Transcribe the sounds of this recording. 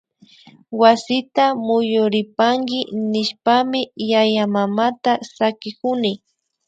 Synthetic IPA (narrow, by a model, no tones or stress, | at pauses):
wasɪt̪amʊjʊɾɪpaŋkɪnɪʃpamɪjajamamat̪asakɪkʊnɪ